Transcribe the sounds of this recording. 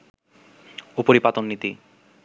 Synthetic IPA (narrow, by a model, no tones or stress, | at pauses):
opoɾipat̪onːit̪i